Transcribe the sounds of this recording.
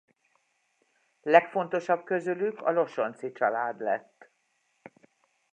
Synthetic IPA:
lɛkfo̞nt̪o̞ʃɒb̚kø̞zylykɒ̰lo̞ʃo̞nt̪sit͡ʃɒlaːd̪lɛ̰t̪ː

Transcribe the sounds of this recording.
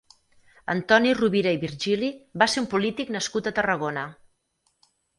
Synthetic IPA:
ə̰nt̪ɔniruβiɾəiβiɾʒilibaseumpulit̪iknəskut̪ət̪ərəɣ̞onə

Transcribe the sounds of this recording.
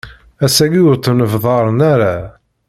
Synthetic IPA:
æsæɡiʊɾt̪ːnəvðˤɑɾˤnæɾa

